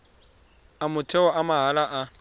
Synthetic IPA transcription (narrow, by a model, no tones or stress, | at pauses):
amʊtʰɛɔamaɦalaʔa